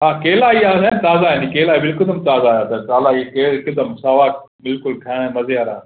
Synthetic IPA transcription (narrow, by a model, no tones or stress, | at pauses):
ɦãːkeːlaːiːaːsant̪aːzaːjenikeːlaːibɪlkəd̪əmt̪aːzaːjaːt̪ɐt̪aːlaːikeːɽɪkəd̪əmsaːʋaː | bɪlkʊlkʰaːɽ̃ẽmɐzjaːɾa̰ː